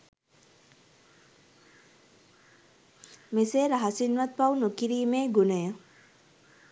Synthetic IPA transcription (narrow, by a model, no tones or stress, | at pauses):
meseːɾaɦasinʋat̪̚pawnukiɾiːmeːɡunəjə